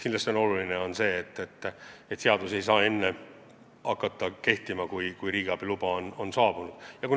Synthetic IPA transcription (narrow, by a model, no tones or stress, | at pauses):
kinlːɑst̪ʲo̞no̞lulineo̞nse̞ːt̪ːet̪ːˑet̪ːseɑd̪use̞js̬ɑːe̞nːe | ɑkˑːɑt̪ːɑke̞ht̪imɑkujkujɾiːɡ̥ɑb̥ilub̥ɑono̞nsɑːb̥unud̪̥jɑkun